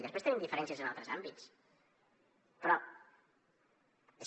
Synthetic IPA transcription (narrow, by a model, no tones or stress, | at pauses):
ðəpest̪enimd̪ifəɾɛnsiəzənalˠt̪ɾəzambitt͡s | pɾɔ | es